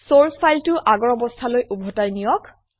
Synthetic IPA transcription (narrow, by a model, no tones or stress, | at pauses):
soɹspʰajltʊʔaɡɔɹɔbɔstʰalojʔubʱɔtajnijɔk